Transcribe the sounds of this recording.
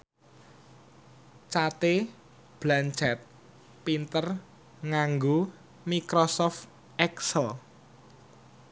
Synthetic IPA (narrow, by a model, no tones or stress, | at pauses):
t͡ʃat̪e | b̥lant͡ʃɛt̪̚ | pint̪ər | ŋaŋɡo | mikɾosɔft̪ | ʔɛksəl